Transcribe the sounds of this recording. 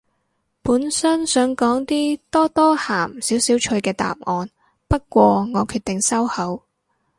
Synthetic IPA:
puː˨˥nsɐ˥nsœː˨˥ŋkɔː˨˥ŋt̪iː˥t̪ɔː˥t̪ɔː˥haː˨˩msiː˨˥wsiː˨˥wt͡ʃʰɵ˧ɥkɛː˧t̪a̰ː˨p̚ŋɔː˨˧n | pɐ˥t̚kʷɔː˧ŋɔː˨˧kʰyː˧t̪̚ɪ˨ŋsɐ˥whɐ˨˥w

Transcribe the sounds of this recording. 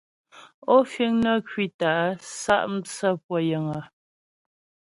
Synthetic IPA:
ɔ˦fi˦ŋnə˦kɥi˦ta˨ʔsa̰˦ʔm̩˦t͡sə˦˨pwɔ˦˨jə˨ŋə˨

